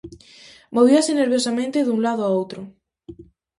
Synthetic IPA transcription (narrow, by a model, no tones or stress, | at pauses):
moβ̞iaseneɾβjosamẽnt̪eðuŋlaðoaowt̪ɾʊ